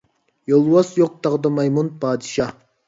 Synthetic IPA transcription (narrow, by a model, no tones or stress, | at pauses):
jolˠwɑsjoq̚t̪ʰɑʁd̪ɑmɑjmunpʰɑːd̪ɨʃɑ